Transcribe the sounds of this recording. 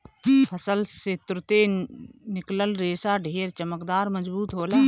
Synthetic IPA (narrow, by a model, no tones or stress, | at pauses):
pʰəsəlsɪt̪ɾʊt̪eːnɪkləlɾeːsaːɖʱeːɾt͡ʃəməkd̪aːɾməd͡ʒbuːt̪ɦoːlaː